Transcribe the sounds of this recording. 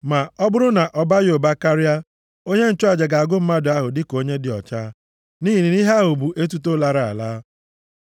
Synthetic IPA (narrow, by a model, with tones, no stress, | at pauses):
ma˨ɔ˦bʊ˦ɾʊ˦na˨ʔɔ˨ba˦jo˨ba˦ka˦ɾɪ˦a˦ | o˦ɲe˦n̩˨t͡ʃʊ˦a˨d͡ʒe˨ɡa˨a˨ɡʊ˦m̩˦ma˦dʊ˨˦a˦ɦʊ˨dɪ˦ko˦ɲe˦dɪ˨ɔ̰˨t͡ʃaː˦ | niː˦ɦi˨ni˨ni˦ɦa˦ɦu˨bu˨ʔe˦t̬u˦to˦la˨ɾa˨a̰˨laː˦